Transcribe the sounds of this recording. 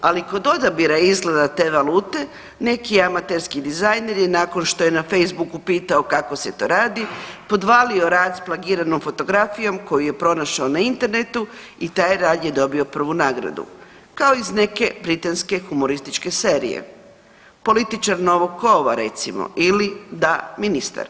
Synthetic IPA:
aliko̞d̪o̞d̪abiɾaizɡle̞d̪at̪e̞ːʋaluːt̪e̞ | ne̞kiamat̪e̞ɾskid̪izajne̞ɾjenaːko̞nʃt̪o̞je̞nafe̞jzbukupiːt̪aokakose̞t̪o̞ːɾaːd̪ipo̞d̪ʋaːlio̞ɾaːd̪splˠaɡiːɾano̞mfo̞t̪o̞ɡɾafijo̞mko̞juje̞pɾo̞naʃaonaint̪e̞ɾne̞t̪u | it̪aːjɾaːd̪je̞d̪o̞bio̞pr̩ʋunaːɡɾa̰d̪ṵ | kaoizne̞ke̞bɾit̪anske̞xumo̞ɾist̪it͡ʃke̞se̞ːɾḭjḛ | po̞lit̪it͡ʃaɾno̞ʋoɡ̚ko̞ʋa̰ɾe̞t̪simo̰ʔilid̪aminist̪a̰ɾ

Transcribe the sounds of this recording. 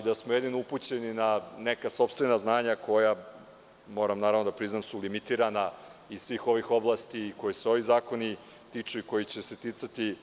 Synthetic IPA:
d̪asmojed̪inouput͡ɕe̞ninanekaso̞pst̪ʋe̞naznaːɲakʰo̞ja | mo̞ːɾamnaːɾavnd̪apɾiznamsulimit̪iːɾana | isʋiːxo̞ʋixo̞blˠaːst̪iːko̞jeseo̞ʋizaːko̞ni | t̪it͡ʂuiko̞jit͡ɕese̞t̪it̪sat̪i

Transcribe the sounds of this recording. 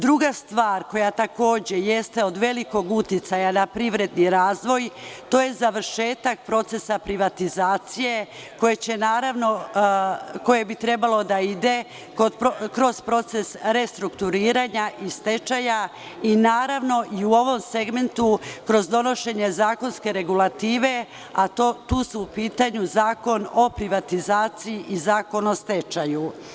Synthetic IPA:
d̪ɾuɡast̪ʋaːɾko̞jat̪ako̞ːd͡ʑe̞jest̪e̞o̞d̪ʋe̞liko̞ɡut̪jit̪sajanapɾiʋɾe̞d̪niɾaːzʋo̞jt̪o̞ːje̞zaʋɾʃe̞ːt̪ak̚pɾo̞t̪se̞sapɾiʋat̪izaːt̪sije̞ | ko̞jet͡ɕe̞naːɾaʋno̞ | ko̞je̞bit̪ɾe̞balo̞d̪aid̪e̞ | kopokɾo̞z̥pɾo̞t̪sesɾe̞st̪ɾukt̪uɾiːɾaɲaʔist̪e̞t͡ʃaja | inaːɾaʋno̞ʔiuo̞ʋo̞mse̞ɡme̞nt̪ukɾo̞zd̪o̞no̞ʃe̞ɲe̞zaːko̞nske̞ɾe̞ɡulat̪iːʋe̞ | at̪ot̪uːsuːpiːt̪aɲuzaːko̞no̞pɾiʋat̪izaːt̪sijiʔizaːko̞no̞st̪e̞t͡ʃaju

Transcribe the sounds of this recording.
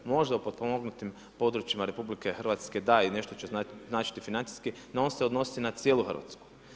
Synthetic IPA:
mo̞ʒd̪aupo̞d̪̚pomoɡnut̪im | po̞d̪ɾut͡ʃimaɾe̞publike̞xr̩ʋat̪ske̞d̪aine̞ʃt̪ot͡ɕeznaːt͡ʃi̥t̪ifinant̪i̥ski | nao̞nse̞o̞d̪no̞si̥t̪inat̪sjeːlˠuxər̩ɾʋa̰t̪sku̥

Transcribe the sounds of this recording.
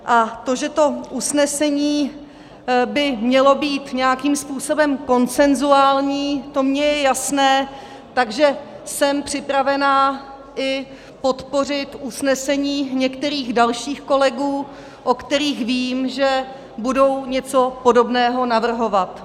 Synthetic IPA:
ʔat̪o̞ʒɛt̪o̞ʔusnɛsɛɲiː | bɪmɲɛlo̞biːt̪ɲɛjakiːmspuːso̞bɛmko̞nt͡sɛnzuaːlɲiːt̪o̞mɲɛjɛjasnɛː | t̪aɡʒɛsɛmpr̝̥ɪpɾavɛnaː | ʔɪ | po̞t̪po̞r̝ɪt̪ʔusnɛsɛɲiːɲɛkt̪ɛɾiːɣdalʃiːxko̞lɛɡuː | ʔokt̪ɛɾiːxviːmʒɛ | budo̞wɲɛt͡so̞po̞do̞bnɛːɦo̞navr̩ɦo̞vat̪

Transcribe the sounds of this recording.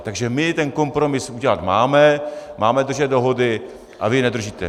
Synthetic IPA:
t̪aɡʒɛmɪt̪ɛnko̞mpɾo̞mɪsuɟɛlat̪maːmɛmaːmɛd̪r̩ʒɛt̪̚do̞ɦo̞dɪ | ʔa̰vɪnɛd̪r̩ʒiːt̪ɛ̰

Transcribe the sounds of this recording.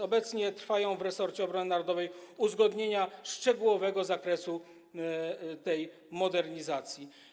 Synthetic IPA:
ɔbɛt̪sɲɛt̪ɾfajɔ̃w̃vɾɛsɔɾt͡ɕɛɔbɾɔnɘnaɾɔd̪ɔvɛjuzɡɔd̪ɲeɲaʂt͡ʂɛɡuwɔvɛɡɔzakɾɛsu | t̪ɛj | mɔd̪ɛɾɲizat̪sʲji

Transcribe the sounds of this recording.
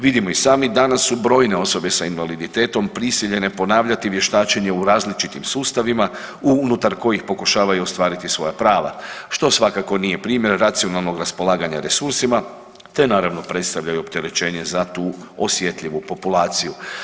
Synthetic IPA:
ʋid̪imo̞isaːmid̪anasːubɾo̞ːjne̞o̞so̞be̞sainʋalid̪it̪e̞ːt̪o̞mpɾisiʎe̞ne̞po̞naːʋʎat̪iʋje̞ʃt̪aːt͡ʃeɲe̞uɾaːzlit͡ʃit̪imsuːst̪aʋima | unut̪aɾko̞jixpo̞kuʃaːʋajuo̞st̪ʋaːɾit̪isʋo̞japɾaːʋa̰ʃt̪o̞sʋakako̞nije̞pɾiːmje̞ɾːat̪sio̞nalˠno̞ɡɾaspo̞lˠaːɡaɲaɾe̞suɾsima | t̪e̞naːɾaʋno̞pɾe̞t̪st̪aʋʎajuo̞pt̪e̞ɾe̞t͡ʃe̞ːɲe̞zat̪uːo̞sje̞t̪ʎʲiʋupo̞pulˠaːt̪siju

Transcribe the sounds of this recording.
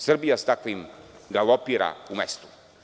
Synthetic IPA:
sərbiast̪aklimɡalɔpiɾa̰umɛst̪u̥

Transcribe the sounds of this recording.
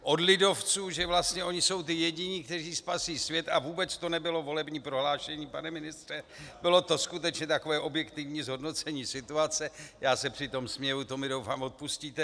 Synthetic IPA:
ʔo̞dlɪdo̞ft͡suːʒɛvlast̪ɲɛʔo̞ɲɪso̞wt̪ɪjɛɟɪɲiːk̚t̪ɛriːspasiːsvjɛt̪avuːbɛt͡st̪o̞nɛbɪlo̞vo̞lɛbɲiːpɾo̞ɦlaːʃɛɲiːpanɛmɪnɪst̪r̥ɛbɪlo̞t̪o̞skut̪ɛt͡ʃɲɛt̪ako̞vɛːʔo̞bjɛkt̪ɪvɲiːzɦo̞dno̞t͡sɛɲiːsɪt̪uat͡sɛjaːsɛpr̥ɪt̪o̞msmɲɛvut̪o̞mɪdowfaːmo̞t̪̚pusciːt̪ɛ

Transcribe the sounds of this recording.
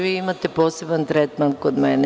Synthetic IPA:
ʋiimat̪eposebant̪ɾɛt̪mankod̪mɛnɛ

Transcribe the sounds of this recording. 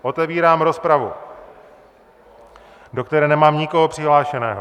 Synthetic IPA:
ʔo̞t̪ɛviːɾaːmɾo̞spɾavṵ | do̞kt̪ɛɾɛːnɛmaːmɲɪko̞ɦopr̝̥ɪɦlaːʃɛnɛ̰ːɦo

